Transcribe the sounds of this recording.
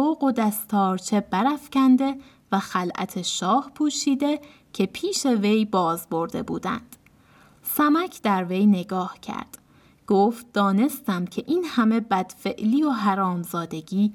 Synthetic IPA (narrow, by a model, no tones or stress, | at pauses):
oːɢo̞d̪æst̪ʰɒːɾt͡ʃʰe̞bæɾæfcʰænd̪e̞ | væxælʔæ̰t̪ʰe̞ʃɒːhpʰuːʃiːd̪e̞ | cʰe̞pʰiːʃe̞ve̞jbɒːzbo̞ɾd̪e̞̰bṵːd̪æ̰nd̪̥ | sæmæcʰd̪æɾvejne̞ɡɒːhcʰæ̰ɾd̪̥ | ɡ̥oft̪̚d̪ɒːne̞st̪æmcʲʰe̞ʔiːnhæme̞bæd̪̥fe̞ʔliːo̞ɦæɾɒːmzɒːd̪e̞ɟʲiː